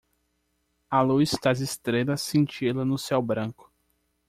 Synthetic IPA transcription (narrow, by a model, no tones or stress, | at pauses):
alust̪azɪst̪ɾedɐsẽnt͡ʃilɐnʊsɛwbɾɐ̃kʊ̥